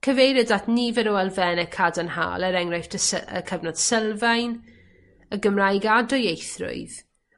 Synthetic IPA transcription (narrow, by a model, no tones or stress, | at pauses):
kʰəvejɾɪdatʰnivɛɾɔɛlˠvɛnəkʰadənha̰ːlˠəɾɛŋrajfdəsə̰kʰəvnɔd̥sɛlˠvajn | əɡəmrajɡadɔjejθrʊ̰ɨð